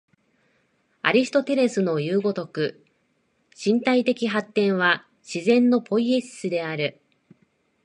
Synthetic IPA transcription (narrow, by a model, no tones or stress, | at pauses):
a̰ɾʲisi̥t̪o̞t̪e̞ɾe̞sɨno̞jɯːɡo̞t̪o̞kɯ̟ | ɕĩnt̪ait̪e̞kʲiɦat̪ːẽ̞ɰ̃βa | ɕizẽ̞nːo̞po̞ie̞ɕsɨd̪e̞aɾɯ̟